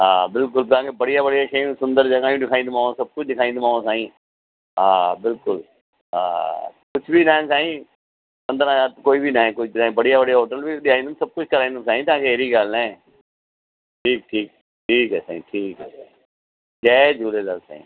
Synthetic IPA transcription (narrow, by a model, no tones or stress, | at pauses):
ɦaːbɪlk̬ʊlt̪ãːkebəɽɪjaːbəɽijaːʃeːũːsʊ̃nd̪əɾd͡ʒəɡãːjũːɖɪkʰaːĩnd̪maːãsəb̚kʊt͡ʃʰɗɪkʰaːĩnd̪ɪmaːãsaːĩː | ɦaːbɪlkʊl | ɦã̰ːkʊt͡ʃʰbiːnãːsaːĩː | pə̃nd̪əɾãːjaːt̪koːiːbʱiːnaːẽːkʊt͡ʃʰinaːĩːbəɽɪjaːbəɽɪjaːɦoːʈəlbiːɗɪaːĩːd̪əsəb̚kʊt͡ʃʰkəɾaːĩːnd̪saːĩːt̪ãːkeːɦeːɾiːɡalnɛ̃ː | ʈʰiːk̚ʈʰiːk | ʈʰiːkɦɛːsa̰ːḭ̃ːʈʰiːkɦɛːsa̰ːĩ | d͡ʒɛːd͡ʒuːleːləlsa̰ːḭ̃ː